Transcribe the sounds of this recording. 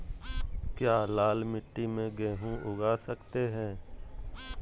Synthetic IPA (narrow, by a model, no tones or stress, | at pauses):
kjaːlaːlmɪʈːimẽɡɛ̃ːɦũʔʊɡaːsəkt̪eɦɛ̃ː